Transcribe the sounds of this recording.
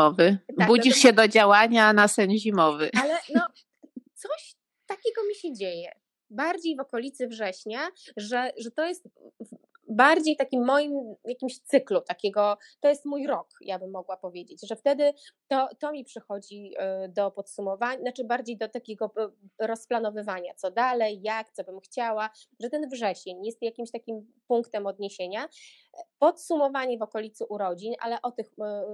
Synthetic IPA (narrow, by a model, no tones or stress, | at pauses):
ɔvɘt̪akbud͡ʑiʂɕɛd̪ɔd͡ʑawaɲanasɛɲʑimɔvɘalɛnɔ | t̪sɔɕ | t̪akʲɛɡɔmʲiɕɛd͡ʑejɛ | baɾd͡ʑejvɔkɔlʲit̪sɘvʐɛɕɲaʐɛʐɛt̪ɔjɛst̪ | baɾd͡ʑejt̪akʲimːɔjimjakʲimɕt̪sɘklut̪akʲɛɡɔ | t̪ɔjɛst̪mujɾɔkjabɘmːɔɡwapɔvʲjed͡ʑet͡ɕʐɛft̪ɛd̪ɘt̪ɔt̪ɔmʲipʂɛxɔd͡ʑid̪ɔpɔt̪sumɔvaɲnat͡ʂɘbaɾd͡ʑejd̪ɔt̪akʲeɡɔɾɔsplanɔvɘvaɲat̪sɔd̪alɛjːakt̪sɔbɘmxt͡ɕawaʐɛt̪ɛnvʐɛɕeɲjɛst̪jakʲimɕt̪akʲimpuŋkt̪ɛmɔd̪ɲeɕeɲa | pɔt̪sumɔvaɲɛvɔkɔlʲit̪suʔuɾɔd͡ʑinʔa̰lɛʔɔt̪ɘx